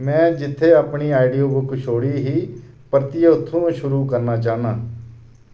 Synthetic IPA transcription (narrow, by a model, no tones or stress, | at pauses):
mɛ̃ːd͡ʒɪt̪ʰːeːapɳiːaːɪɖijoːbʊkʃʰoːɽiːɦiː | pəɾt̪ɪeʊt̪ʰːũːʃʊɾuːkəɾnaːt͡ʃaːnaː